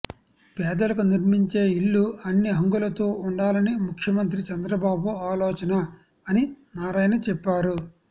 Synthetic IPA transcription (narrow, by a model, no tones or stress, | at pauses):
pɛːd̪ɐlɐkuniɾmiɲt͡ʃe̞ːiɭːuɐnːiɦɐŋɡulɐt̪oːuɳɖaːlɐnimukʰjɐmɐnt̪̬ɾit͡ʃɐnd̪ɾɐbaːbuaːloːt͡ʃɐnɐː | ninaːɾaːjnɐt͡ʃɛpːaːɾu